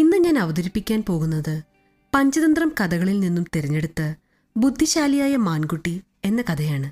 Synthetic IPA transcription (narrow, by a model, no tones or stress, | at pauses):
inːɨɲaːnɐʋɐðɐɾipːikʲːaːnpo̞ːɣunːɐðɨ | pɐɲd͡ʑɐðɐnd̪rɐmkɐd̪ɐɣɐɭilninːumt̪eɾɐɲːe̞ɽut̪ːɨ | bud̪ʱːiɕaːlijaːjɐmaːnɡuʈːi | e̞nːɐkɐd̪ɐjaːɳɨ